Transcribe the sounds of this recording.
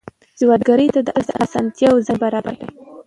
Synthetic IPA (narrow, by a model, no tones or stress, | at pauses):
z̥wat̪̚ɡaɾəjt̪ad̪əʔalt̪əʔasɑnt̪jɑwzabaɾɑba̰ɾd̪a̰j